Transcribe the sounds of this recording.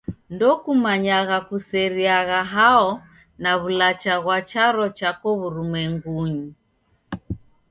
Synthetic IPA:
ndɔkumaɲaɣakusɛɾiaɣaɦaɔ | naβulat͡ʃaɣwat͡ʃaɾɔt͡ʃakɔβuɾumɛŋɡuɲi

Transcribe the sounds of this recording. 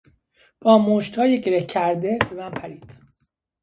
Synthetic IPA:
b̥ɒːmoːʃt̪hɒːjeɟe̞ɾehcʰæɾd̪ebe̞mænpʰæɾiːd̪̥

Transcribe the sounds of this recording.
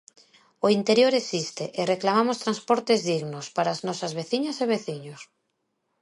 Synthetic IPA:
oint̪eɾjoɾesist̪eʔereklamamost̪ɾanspoɾt̪ezðiɣnospaɾaːznɔsazβeθiɲaseβeθiɲos

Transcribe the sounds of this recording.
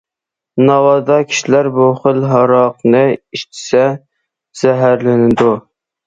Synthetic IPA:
nɑwɑd̪ɑkʲʰi̥ʃilæɾbuχəlɦɑɾɑqnɨiʃt͡ʃ̪ʰi̥sɛ | z̥ɛɦæɾlɪnɪd̪u

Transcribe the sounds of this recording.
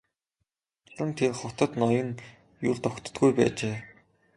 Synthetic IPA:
ɮə̆nt̪ʰerχʊt̪ə̆t̪nɔjə̆ŋ | jʊɮt̪ɔkt̪ə̥̆t̪ɡujpæ̰ːt͡ɕeː

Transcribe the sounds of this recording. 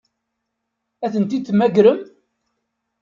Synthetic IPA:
æθənt̪imæɡɾəm

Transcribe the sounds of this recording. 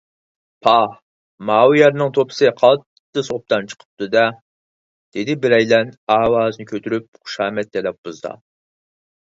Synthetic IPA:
pʰɑ | mɑːwjɛɾnɨŋt̪ʰopʰɨ̥sɨqʰɑt̪ːɨsop̚t̪ɑnt͡ʃʰə̥qʰə̥p̚t̪ɨd̪ɛ | d̪̥ɪd̪ɪbɪɾɛjlɛnɑːwɑːznɨkʲʰøt̪ʰyɾyp̚χʊ̥ʃɑːmɛt̪̚d̪ɛlɛp̚b̥uzd̪ɑ̰

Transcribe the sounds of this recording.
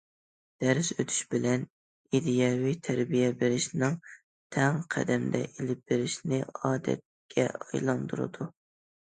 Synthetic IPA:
d̪̥æɾsøt̪ʰy̥ʃbɪlɛn | id̪ijɑwijt̪ʰæɾbijɛbeɾɪʃnɪŋ | t̪ʰɛŋqʰæ̰d̪ɛmd̪ɛ̰ʔelɪp̚beɾɪʃnɪɑːd̪ɛ̰t̪̚ | kʲʰɛ̰ɑjlˠɑnd̪uɾɨ̰d̪u

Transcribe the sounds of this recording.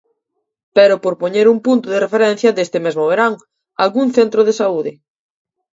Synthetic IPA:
peɾopoɾpoɲeɾumpunt̪ʊðerefeɾɛn̟θjɐðest̪ɪmezmoβ̞eɾaŋ | alɣuŋθent̪ɾoðesauðɪ

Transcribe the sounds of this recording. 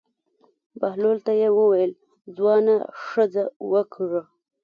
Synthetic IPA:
baɦlolt̪ajewəwajəl | d͡zwɑnaʂəd͡zawəkʰɽə

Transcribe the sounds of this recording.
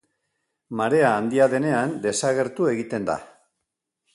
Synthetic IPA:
maɾe̞aːnd̪iaðe̞ne̞and̪e̞saɣe̞ɾt̪ue̞ɣit̪e̞nd̪a̰

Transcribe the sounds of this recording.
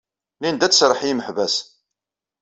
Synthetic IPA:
lind̪æt͡sːsɾˤəħjiməħvæs

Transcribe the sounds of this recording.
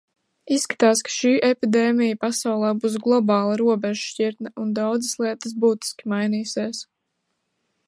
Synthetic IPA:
isːkḁt̪aːskḁʃiːʔepid̪eːmijəpasawlˠɛːbuːs̬ɡlˠɔbɑːlˠaɾuɔbɛʒʃciɾt̪naund̪awd̪zɨslˠiɛt̪əs̬buːt̪i̥skʲimajniːsiːs

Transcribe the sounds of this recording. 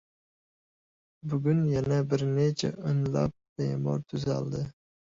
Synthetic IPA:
bʊɡʲʊnjanabɪɾnet͡ʃʰa̰ʊnlɑ̰p̚bemɒ̰ɾt̪ʰʊza̰lˠd̪ɪ

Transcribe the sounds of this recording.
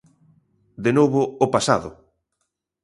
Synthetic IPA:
d̪enoβʊːpasa̰ðʊ

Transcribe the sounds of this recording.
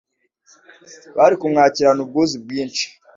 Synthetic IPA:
βaɾikumŋaːciɾanubɡozib̚ɡiːnt͡ʃi̥

